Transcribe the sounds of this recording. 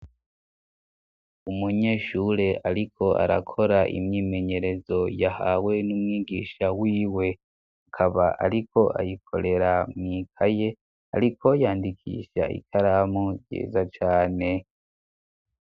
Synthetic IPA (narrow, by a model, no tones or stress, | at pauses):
umuɲe̞ʃuɾe̞aɾikʰo̞ʔa̰ɾa̰kʰo̞ɾaʔḭmɲiːme̞ɲe̞ɾe̞zo̞jahaːwe̞numŋiːɡiːʃawiːwe̞ | akʰaβaʔa̰ɾiko̞ʔa̰jikʰo̞̰ɾe̞ɾamŋiːkʰaje̞ | aɾikʰo̞jaːndikʰḭːʃa̰ʔḭkʰaɾamuɾɟḛːzat͡ʃaːne̞